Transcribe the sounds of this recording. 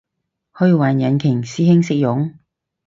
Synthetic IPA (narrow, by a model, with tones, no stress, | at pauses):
hɵ˧ɥwaː˨njɐ˨˥nkʰɪ˨˩ŋsiː˥hɪ˥ŋsɪ˥k̚jʊ˨˥ŋ